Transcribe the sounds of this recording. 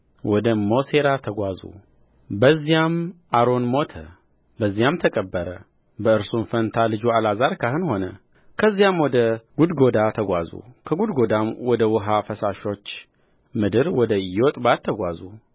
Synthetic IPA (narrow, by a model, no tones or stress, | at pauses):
wɔd̪əmo̞se̞ɾat̪ʰəɡʷazṵ | bəzːijamʔaɾo̞nmo̞t̪ʰə | bəzːijamt̪ʰəkʼəbːəɾə | bəɨɾsunfənt̪ʰalɨd͡ʒualazaɾkʰahɨnho̞nə | kʰəzːjamwɔd̪əɡud̪ɡo̞d̪at̪ʰəɡʷazṵkʰəɡud̪ɡo̞d̪amwɔd̪əwʊɦafəsaʃo̞t͡ʃː | mɨd̪ɨɾwɔd̪əjot̪ʼbat̪ʰːəɡʷazu